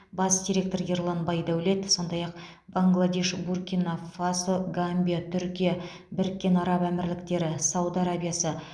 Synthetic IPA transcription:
bɑsd̪ʲiɾʲe̞k̚t̪o̞rje̞rlˠɑnbɑjd̪ɑwɵle̞d̪ɪso̞nd̪ɑjɑq | baŋɡlˠad̪ʲe̞ʃburkʲinafasoɡamʲbʲijat̪ʰʏɾkʲija | bɪɾɪkʲːe̞nɑɾɑpæmɪɾlɪkt̪e̞ɾɪsɑwd̪aɾabijasə

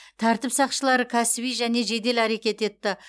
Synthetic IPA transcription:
t̪ʰæɾt̪ɪpsɑqʃəlˠɑɾəkʲʰæsɪbijʒæne̞ʒe̞d̪e̞læɾekʲe̞t̪e̞t̪ːɪ

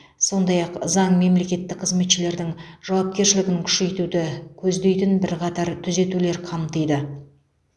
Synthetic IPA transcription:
so̞nd̪ɑjɑqzɑɴme̞mle̞kʲe̞t̪ːɪk̚qʰəzme̞t̪ʃɪle̞ɾd̪ɪŋʒ̥ɑwɑp̚kʲe̞ɾʃɪlɪɡʲɪŋkʲʰʏ̥ʃe̞jt̪ud̪ɪkʲʰɵzd̪e̞jt̪ɪnbɪɾqʰɑt̪ɑɾt̪ʰʏze̞t̪ule̞ɾqʰɑmt̪əjd̪ə

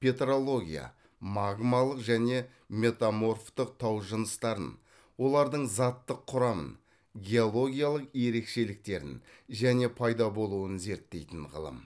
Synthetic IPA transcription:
pʰʲe̞t̪ɾo̞lˠo̞ɡʲḭja̰ | mɑɡmalˠəqʒæne̞ | me̞t̪amo̞rft̪əq̚t̪ʰɑwʒənəst̪ɑɾə̰n | wo̞lˠɑɾd̪əɴzɑt̪ːəqʰːʊɾɑmə̰n | ɡʲe̞olˠo̞ɡʲijalˠəqje̞ɾe̞kʃe̞lɪk̚t̪e̞ɾɪ̰nʒæne̞pʰɑjd̪ɑbo̞lˠuwənze̞ɾt̪ːe̞jt̪ɪnʁə̰lˠə̰m

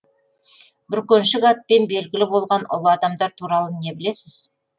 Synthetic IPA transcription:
bɪɾkʲɵnʃɪɡɑt̪̚pe̞nbe̞lɡʲɪlɪbo̞lˠʁɑnʔʊ̰lˠəɑd̪ɑmd̪ɑɾt̪ʰuɾɑlˠəne̞bɪlesɪz̥

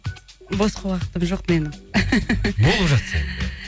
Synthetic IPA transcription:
bosqɑwɑqə̥t̪əmʒo̞q̚me̞nɪm | bo̞lˠəpʒɑt̪sɑ

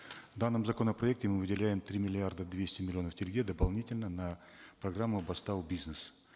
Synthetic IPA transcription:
vd̪anːəmzɐkonəpɾɐɛk̚tʲɪmɨvɨdʲɪlʲæjɪmt̪ɾʲimʲɪlʲɪard̪əd̪vʲesʲtʲɪmʲɪlʲɪo̞nəftʲɪlʲɡʲed̪əpɐlˠnʲitʲɪlʲnənɐ | pɾɐɡramːʊɐbɐst̪aʊbʲiznəs

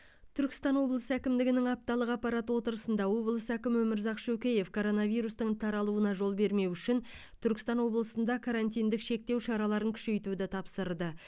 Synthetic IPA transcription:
t̪ʰʏɾkʲɪ̥st̪ɑnwo̞blˠəsəækʲɪmd̪ɪɡʲɪnɪŋɑp̚t̪ɑlˠəqɑpːɑɾɑt̪wo̞t̪əɾəsənd̪ɑwo̞blˠəsəækʲɪmwɵmɪɾzɑqʃɵkʲeje̞fkʰo̞ɾo̞nɑvijɾust̪əɴt̪ʰɑɾɑlˠuənɑʒo̞lˠbe̞ɾme̞wʏʃɪn | t̪ʰʏɾkʲɪ̥st̪ɑnwo̞blˠəsənd̪ɑkʰaɾant̪ijnd̪ɪkʃe̞k̚t̪e̞wʃɑɾɑlˠɑɾəŋkʲʰʏ̥ʃe̞jt̪ud̪ɪt̪ʰɑpsəɾd̪ə

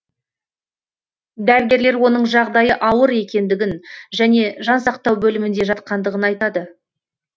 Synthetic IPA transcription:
d̪æɾɡʲe̞ɾle̞ɾwo̞nəɴʒɑʁd̪ɑjəʔɑwəɾe̞kʲe̞nd̪ɪɡʲɪnʒæne̞ʒɑnsɑqt̪ɑwbɵlɪmɪnd̪e̞ʒɑt̪̚qɑnd̪əʁənɑjt̪ɑd̪ə

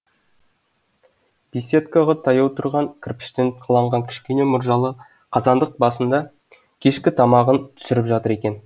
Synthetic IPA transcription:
b̥isʲe̞t̪kɑʁɑt̪ʰɑjɑwt̪ʰʊɾʁɑŋkʲʰrpɪ̥ʃt̪enqʰɑlˠɑɴʁɑŋkʲʰɪ̥ʃkʲe̞ne̞mʊɾʒɑlˠə | qʰɑzɑnd̪əq̚bɑsənd̪ɑ | kʲʰe̞ʃkʲɪt̪ʰɑmɑʁənt̪ʰʏ̥sɪɾɪpʒɑt̪əɾe̞kʲe̞n

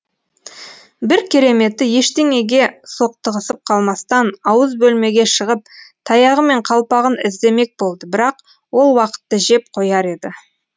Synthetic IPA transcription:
bɪɾkʲʰe̞ɾe̞me̞t̪ːɪje̞ʃt̪e̞ŋe̞ɡʲe̞so̞q̚t̪əʁəsəp̚qʰɑlˠmɑst̪ɑnɑwəzbɵlme̞ɡʲe̞ʃəʁəp̚t̪ʰɑjɑʁəme̞ɴqʰɑlˠpɑʁənɪzd̪e̞me̞k̚bo̞lˠd̪əbɪɾɑq | wo̞lˠwɑqə̥t̪ːəʒe̞p̚qʰo̞jɑɾe̞d̪ɪ

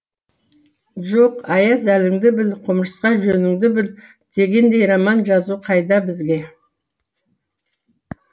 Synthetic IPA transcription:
ʒo̞qɑjɑsælɪŋd̪ɪbɪlqʰʊmʃəsqɑʒɵnɪŋd̪ɪbɪl | d̪̥e̞ɡʲe̞nd̪e̞jɾɑmɑnʒɑzuqʰɑjd̪ɑbɪzɡʲe̞

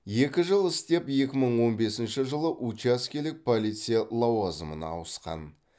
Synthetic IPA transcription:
je̞kʲɪʒəlˠɪst̪e̞pje̞kʲɪməɴwo̞nbe̞sɪnʃɪʒəlˠəʔut͡ʃaskʲelɪk̚pʰolˠijt̪sɨjalˠɑwazəmə̰nɑ̰ːwəsqɑ̰n

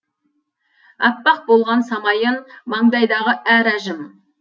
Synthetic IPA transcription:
ɑpːɑq̚bo̞lˠʁɑnsɑmɑjənmɑɴd̪ɑjd̪ɑʁəʔæɾæʒɪm

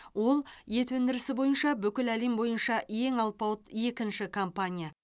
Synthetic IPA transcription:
wo̞lˠje̞t̪wɵnd̪ɪɾɪsɪbo̞jənʃɑbʏkʲɪlælimbo̞jənʃɑje̞ŋɑlˠpɑwt̪je̞kʲɪnʃɪkʰo̞mpanʲija

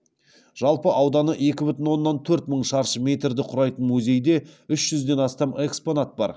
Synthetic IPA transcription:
ʒ̥ɑlˠpəʔɑwd̪ɑnəʔe̞kʲɪbʏt̪ɪnwo̞nːɑnt̪ʰɵɾt̪məɴʃɑɾʃəmʲe̞t̪ɾd̪ɪqʰʊɾɑjt̪ənmuzʲe̞jd̪e̞ʏʃʒ̥ʏzd̪e̞nɑst̪ɑme̞kspo̞nat̪̚bɑ̰ɾ

